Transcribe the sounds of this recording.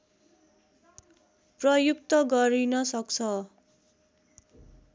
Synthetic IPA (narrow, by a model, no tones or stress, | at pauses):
prʌjuk̚t̪ʌɡʌɾinʌsʌkt͡sʰʌ